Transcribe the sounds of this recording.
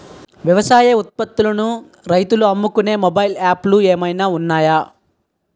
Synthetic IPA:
ʋjɐʋɐsaːjɐut̪̚pɐt̪ːulɐnu | ɾɐjt̪uluɐmːukune̞ːmobɐjilaːplueːmɐjnaːunːaːjaː

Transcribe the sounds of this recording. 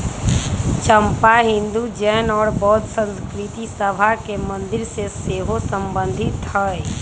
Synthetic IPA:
t͡ʃəmpaɦɪ̃nd̪ud͡ʒɛːnɔːɾbɔːt̪sə̃nskɾɪt̪isəbʱakemə̃nd̪ɪɾseseːɦosəmbə̃nd̪ʱɪt̪həɛ

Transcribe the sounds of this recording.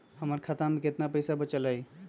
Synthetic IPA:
həməɾkʰat̪amẽket̪napəjsabət͡ʃəlaj

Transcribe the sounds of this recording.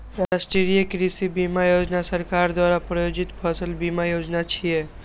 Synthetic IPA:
ɾasʈɾiɾijekɾisibimajoːd͡ʒnasəɾkaːɾd̪waːɾapɾəjoːd͡ʒit̪pʰəsəlbimajoːd͡ʒnat͡ʃʰije

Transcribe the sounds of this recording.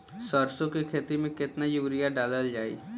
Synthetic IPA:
səɾsõkikʰeːt̪imẽkɪt̪najʊʋɾijaɖaːləld͡ʒaːḭː

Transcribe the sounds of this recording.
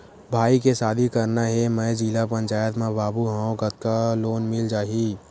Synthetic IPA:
bʱaːikesaːd̪ʱikɐɾnaɦɛmɛ̃d͡ʒiːlapə̃ɲt͡ʃaːjət̪mẽbaːbuɦãõɡət̪̚kaloːnmɪld͡ʒaːɦiː

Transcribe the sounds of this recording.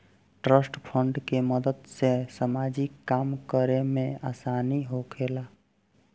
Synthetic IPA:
ʈɾəsʈpʰəɳɖkeməd̪əd̪sesəmad͡ʒikːamkəɾemeasaniɦokʰela

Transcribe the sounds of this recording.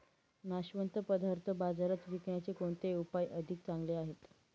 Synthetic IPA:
naɕʋənt̪əpəd̪ʱaɾt̪ʰəbad͡zaɾat͡sʋikɳjat͡sekoɳt̪eupajʔəd̪ʱik̚t͡sãŋɡleaɦet̪

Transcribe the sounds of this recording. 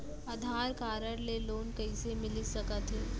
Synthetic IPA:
ɐd̪ʱaːɾkaːɾəɽleloːnkɐisemɪlisɐkət̪ɦiː

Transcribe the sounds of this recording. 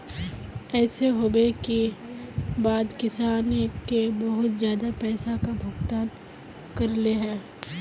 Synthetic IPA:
ɛːseɦoːbeki | baːd̪kɪsaːnekebɐɦʊt̪zjaːd̪apɛːsakabʱɐɡt̪aːn | kɐɾleɦɛ̃ː

